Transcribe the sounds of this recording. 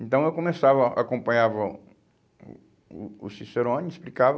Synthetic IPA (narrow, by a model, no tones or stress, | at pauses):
ẽnt̪ɐ̃w̃ewkõmesavɐa̰kõmpɐ̃ɲavɐ̰ | uːsiseɾõɲisplikavɐ